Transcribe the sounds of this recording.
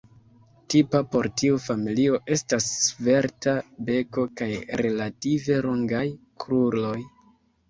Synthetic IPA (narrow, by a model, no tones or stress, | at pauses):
tipapo̞ɾtiufamilio̞ʔe̞stasve̞ɾtabe̞ko̞kajɾe̞lative̞ɾoŋɡaj | kɾuɾlo̞j